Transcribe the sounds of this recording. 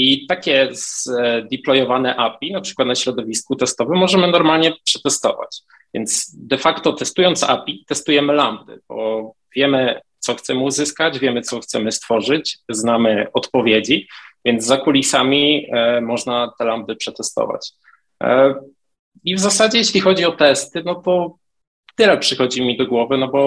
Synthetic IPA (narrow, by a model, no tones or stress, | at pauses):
it̪akʲɛzd̪ʲiplɔjɔvanɛʔapʲinapʂɘ̥kwat̪naɕɾɔd̪ɔvʲiskut̪ɛst̪ɔvɘmːɔʐɛmɘnɔɾmalɲɛpʂɛt̪ɛst̪ɔ̰va̰t͡ɕ | vʲjɛnd̪sd̪ɛfakt̪ɔt̪ɛst̪ujɔnt̪sa̰pʲit̪ɛst̪ujɛmɘlamb̚d̪ɘ̰b̥ɔ | vʲjɛmɘt̪sɔxt̪sɛmuzɘskad͡ʑvʲjɛmɘt̪sɔxt̪sɛmɘst̪fɔʐɘt͡ɕznamɘɔt̪pɔvʲjed͡ʑivʲjɛnd̪zakulʲisamʲimɔʐnat̪ɛlamb̚d̪ɘpʂɛt̪ɛst̪ɔ̰va̰t͡ɕ | ivzasad͡ʑɛjeɕlʲixɔd͡ʑiɔt̪ɛst̪ɘnɔt̪ɔ | t̪ɘlɛpʂɘxɔd͡ʑimʲid̪ɔɡwɔvɘnɔbɔ